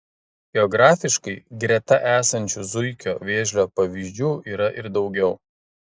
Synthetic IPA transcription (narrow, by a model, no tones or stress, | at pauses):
ɡʲɛɔɡɾɑːfʲɪʃkɐɪɡɾʲɛt̪ɐʔæːsɐnʲt͡ʃʲuzʊɪkʲoːʋʲeːʒʲlʲoːpɐʋʲiʒʲd͡ʒʲuːʔiːɾɐʔɪɾd̪ɒʊɡʲɛʊ